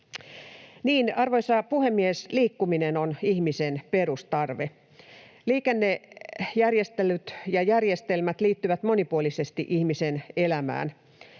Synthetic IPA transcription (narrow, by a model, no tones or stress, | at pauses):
niːnɑrʋo̞jsɑpuhemːiesliːkːuminenonihmisenperust̪ɑrʋe | liːkenːejærjest̪elyt̪jɑjærjest̪elmæt̪liːt̪ːyʋæt̪mo̞nipuolisest̪iʔihmisenelæmæ̰ːn